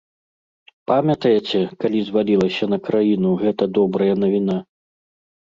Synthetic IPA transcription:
pamʲɐt̪ɐjet͡sʲɛkalʲizvalʲilˠɐsʲɐn̪ɐkɾajinuɣɛt̪ɐd̪ɔbɾɐjɐnɐvʲina

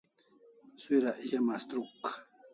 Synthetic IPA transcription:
swiɾaʔjamast̪ɾuk

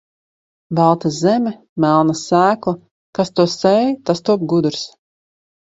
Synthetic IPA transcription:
balˠt̪azzɛmʲɛ | mælˠnasæːklˠa | kast̪uɔsɛjt̪ast̪uɔp̚ɡud̪uɾs

